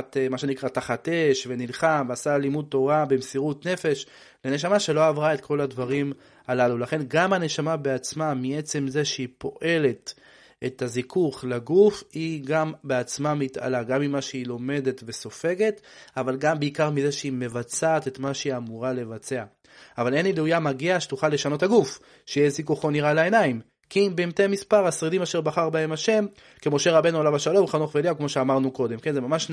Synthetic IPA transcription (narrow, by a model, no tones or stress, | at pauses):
t̪emaʃe̞nikʁataχat̪e̞ʃve̞nilχamveasalimud̪̚to̞ʁabemsiʁut̪ne̞fe̞ʃ | le̞neʃ̬amaʃe̞lo̞avʁae̞t̪kʰo̞ladvaʁim | alalulaχe̞nɡamane̞ʃamabeat͡smamiet͡se̞mze̞ʃeipo̞ʔe̞le̞t̪ | et̪azikuχlaɡufiɡambe̞at͡smamit̪a̰laɡamimːaʃeilo̞me̞de̞t̪ve̞so̞fe̞ɡe̞t̪avalɡambeikaʁmize̞ʃeime̞vat͡saːte̞t̪maʃeiamuʁale̞vat͡se̞aː | vale̞nilujamaɡiaʃetuχalːe̞ʃano̞thaɡuf | ʃejezikuχo̞niʁalae̞naim | kimbemt̪emispaʁasʁid̪imaʃe̞ʁbaχaʁbae̞maʃe̞m | kemo̞ʃe̞ʁabe̞nualavaʃalo̞mχanoχveljakmo̞ʃeamaʁnuko̞de̞mkenzemamaʃ